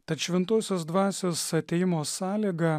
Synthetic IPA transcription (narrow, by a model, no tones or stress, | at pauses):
t̪ɐt̪ʃʲʋʲɛnt̪uɔsʲoːs̬d̪ʋɑːsʲoːsɐt̪ʲɛjɪmoːsɑːlʲiːɡɐ